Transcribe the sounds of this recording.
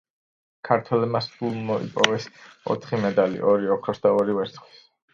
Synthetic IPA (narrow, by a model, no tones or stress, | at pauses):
kʰaɾt̪ʰwɛlɛbmasulˠmɔḭpʼɔvɛsɔ̰t̪ʰχimɛd̪alḭʔɔɾiɔkʰɾɔsd̪aɔɾivɛɾt̪sʰʼχʰwi̥s